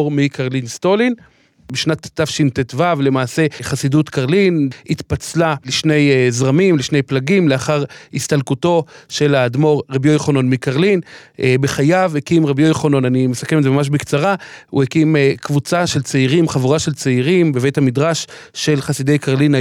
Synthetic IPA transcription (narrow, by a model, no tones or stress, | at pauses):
ʁmikaʁlinst̪o̞lin | biʃnat̪ːafʃint̪etvavle̞maːse̞χasidut̪kaʁlinit̪pat͡slaliʃne̞jzʁamimliʃne̞jplaɡimleaχaʁist̪alkuto̞ʃe̞lad̪mo̞ʁʁebjojχono̞nmikaʁlinbeχajavekimʁabjojχono̞nanimesakemezemamaʃ̬bikt͡saʁaṵhekimekvut͡saʃe̞lt͡seiʁimχavuʁaʃelt͡seiʁimbeve̞jthamidʁaʃʃe̞lχasid̪e̞jkaʁlina